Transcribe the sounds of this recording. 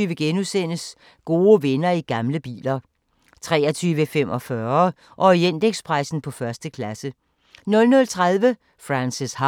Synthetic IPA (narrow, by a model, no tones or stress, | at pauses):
yːʋəɡ̥enusen̰əs | ɡ̥o̝ːʋenɐiɡ̥ɑ̈mləb̥ḭːlɐ | t͡sʰʁɛːɐt͡sʰyːʋəfem̰ʔɒfɶɐ | ʔɒ̽en̰d̥eɡ̥spʰʁɑ̈ɪsn̩pʰɒ̽fɶɐsd̥əkʰlæsə | nɔ̽lnɔ̽lt͡sʰʁaðˠʋə | fʁansishɑ